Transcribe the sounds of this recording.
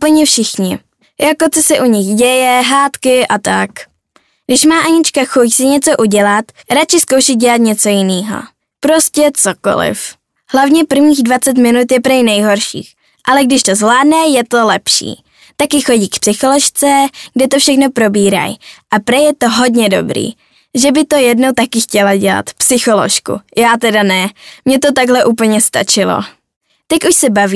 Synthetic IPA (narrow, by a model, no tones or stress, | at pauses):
poɲɛfʃɪxɲɪ | jakot͡sosɛʔuɲɪxɟɛjɛɦaːt̪kɪʔat̪ak | ɡdɪʃmaːʔaɲɪt͡ʃkaxosɪɲɛt͡so̞ʔuɟɛlat̪ɾat͡ʃɪskowʃɪt̪̚ɟɛlat̪ɲɛt͡so̞jɪniːɦo̰ | pɾo̞scɛt͡soko̰lɪ̰f | hlavɲɛpr̩vɲiːɣdvat͡sɛt̪mɪnut̪jɛpɾɛjnɛjɦo̞ɾʃḭːx | ʔalɛɡ̚dɪʃt̪o̞zvlaːdnɛjɛt̪o̞lɛpʃḭː | t̪akjɪxo̞ɟiːkpsɪxolo̞ʃt͡sɛɡ̥dɛt̪ofʃɛxno̞pɾo̞biːɾa̰jʔapɾɛjɛt̪oɦo̞dɲɛdo̞̰bɾḭː | ʒɛbɪt̪o̞jɛdnowt̪akɪxcɛlaɟɛla̰t̪psɪxo̞lo̰ʃkṵjaːt̪ɛdanɛmɲɛt̪o̞t̪̬aɡɦlɛʔuːpl̩ɲɛst̪a̰t͡ʃɪlo̰ | t̪ɛcuʃsɛbaviː